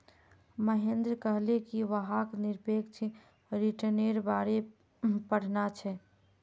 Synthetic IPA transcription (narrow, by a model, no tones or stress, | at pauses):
məɦend̪ɾkəɦlekiʋəɦakniɾpeɡt͡ʃʰi | ɾiʈəneɾbaɾe | pəɽ̤nat͡ʃʰɛ